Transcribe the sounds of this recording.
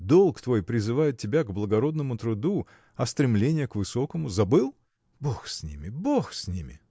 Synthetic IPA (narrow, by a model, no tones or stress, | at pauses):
d̪o̞lˠkt̪vo̞jpɾʲɪzɨvajɪt̪̚tːʲɪbʲaɡblˠəɡɐɾo̞d̪nəmʊt̪ɾʊd̪u | ɐst̪ɾʲɪmlʲenʲɪjəkvɨso̞kəmʊzɐbɨlˠ | boxsʲnʲḭmʲɪboxsʲnʲimʲɪ̰